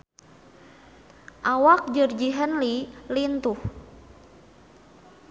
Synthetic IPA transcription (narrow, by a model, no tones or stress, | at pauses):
ʔawak̚d͡ʒərd͡ʒiɦənlilint̪uh